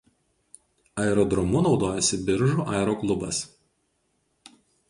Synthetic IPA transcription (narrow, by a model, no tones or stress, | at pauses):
ɐɛɾɔd̪ɾɔmʊnɒʊd̪oːjɛsʲɪbʲɪɾʒuːˑʔɑˑɾoːklˠʊbɐs